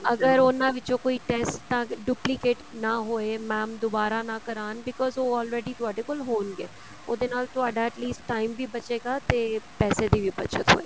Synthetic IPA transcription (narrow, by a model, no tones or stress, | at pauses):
əɡəɾoːnãːʋɪt͡ʃõːkoːiːʈɛsʈt̪ãːɖuːplikeːʈnaːɦoːeːmɛ̃ːmd̪ʊbaːɾaːnãːkəɾaːnbɪkɔːzoːɔːlɾɛːɖiːt̪ʊaːɖeːkolɦoːnɡeː | oːd̪eːnaːlt̪ʊaːɖaːɛʈliːsʈʈaːimʋiːbət͡ʃeːɡaːt̪eːpɛːseːd̪iːʋiːbət͡ʃʰət̪ɦo̰ːeː